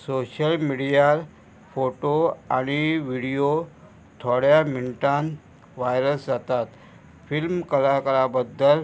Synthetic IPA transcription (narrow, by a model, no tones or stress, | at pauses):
soɕəlmiɽijal | foʈoa̰ɽ̃iʋiɽijo | t̪ʰɔɽjamiɳʈãn | ʋajɾəsd͡zat̪at̪ | filmkəlakəɾabəd̪ːəl